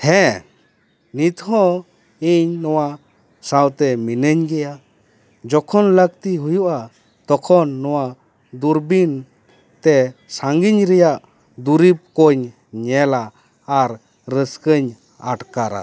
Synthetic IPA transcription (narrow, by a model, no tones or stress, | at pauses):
hɛ̃ | nit̪hɔ̃ | iɲnɔwa | sawt̪ɛminəɲɡɛja | d͡ʒɔkʰɔnlək̚t̪iɦujuʔa | t̪ɔkʰɔnːɔwa | d̪uɾbin | t̪ɛsaŋɡiɲɾɛjaʔ | d̪uɾip̚kɔɲ | ɲɛlaː | ɾː | əskəɲ | a̰ʈkaɾa̰